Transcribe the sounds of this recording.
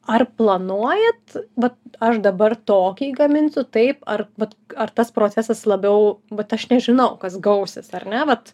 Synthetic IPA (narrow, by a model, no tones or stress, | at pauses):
ɐrplˠɐnuɔjɛt̪ʋɐt̪ɐʃd̪ɐbɐrt̪oːkʲiːɡɐmʲɪnʲsʲʊt̪ɐɪpɐrʋɐt̪ɐrt̪ɐspɾoːt͡sʲæsɐslˠɐbʲɛʊʋɐt̪ɐʃnʲɛʒʲɪnɐʊkɐsɡɐʊsʲɪsɐrnʲɛʋɐt̪